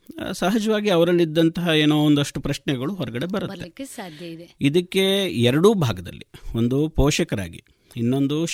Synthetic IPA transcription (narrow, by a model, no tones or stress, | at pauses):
saɦɐd͡ʒɐʋaːɡiɐʋɐɾɐlːid̪ːɐnt̪ɐɦɐeːnoːond̪ɐʂʈupɾɐʃɳɛɡɐɭuɦɔɾɐɡɐɽe̞bɐɾut̪ːe | id̪ɐkːe̞ɛɾɐɽubʱaːɡɐd̪ɐ̰lːḭo̞nd̪upɔːʃɐkɐɾa̰ːɡḭ | inːo̞nd̪u